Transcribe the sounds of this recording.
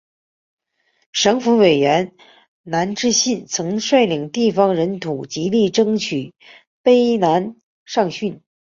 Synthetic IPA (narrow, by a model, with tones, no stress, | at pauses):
ʂɤ˧˥ŋfu˧˥we˨˩ɪɥɛ˧˥n | na˧˥nʈ͡ʂɻ̩˥ɕi˥˩nt͡sʰɤ˧˥ŋʂwa˥˩ɪli˨˩ŋt̪i˥˩fɑ˩ŋɻə˧˥nt̪ʰu˨˩t͡ɕi˧˥li˥˩ʈ͡ʂɤ˥ŋt͡ɕʰy˨˩ | pe˥ɪna˧˥n | ʂɑ˥˧ŋɕy˥˩n